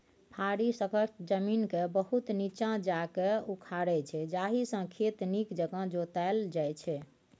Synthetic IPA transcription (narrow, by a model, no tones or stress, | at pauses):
pʰaɾisəkət͡ʃd͡ʒəminkebəɦut̪nit͡ʃãd͡ʒakeukʰaɾɛt͡ʃʰɛd͡ʒaɦisə̃kʰet̪nikd͡ʒəɡə̃d͡ʒot̪ald͡ʒajt͡ʃʰɛ